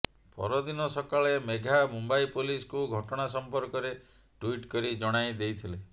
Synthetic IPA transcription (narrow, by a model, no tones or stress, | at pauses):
pɔ̰ɾɔd̪inɔsɔkaɭemeɡʱamumbajpuliskuɡʱɔʈɔɽ̃asɔmpɔɾkɔɾe | ʈwiʈkɔɾid͡ʒɔɽ̃ajd̪ejt̪ʰile